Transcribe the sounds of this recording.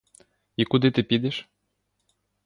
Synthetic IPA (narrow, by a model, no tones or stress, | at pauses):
ikud̪ɨt̪ɨpʲid̪eʃ